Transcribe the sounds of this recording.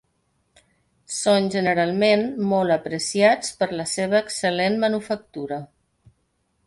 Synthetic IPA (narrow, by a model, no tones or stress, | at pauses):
sonʲʒənəɾalˠmenmɔlˠəpɾəsiat͡spəɾləseβ̞əːksəlenmənufək̚t̪uɾə